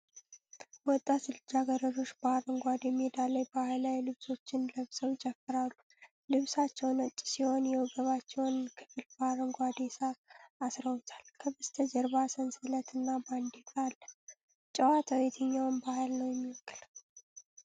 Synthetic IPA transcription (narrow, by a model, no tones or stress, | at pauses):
bəɔt̪ʼːat̪ɨlɨd͡ʒaɡəɾəɾo̞ʃbaɾəŋɡʷad̪jɛmːid̪aləjbahalajlɨβso̞t͡ʃːɪnləβsəwt͡ʃʼɛfːɨɾalːu | lɨβsat͡ʃːɛwnət͡ʃʼːsiho̞njɛwɔɡəβat͡ʃːɛwnkʰɨ̥fɨlbaɾəŋɡʷad̪esaːsɾəwʊt̪ʰḁlkʰəβɨst̪ʰəd͡ʒɛɾbasənsɨlət̪ʰɨnːaband̪ikʼalːə | t͡ʃʼəwat̪ʰəwɛt̪ʰəɲːawnbahalnəwjɛmːiwɔkʰʼːɨl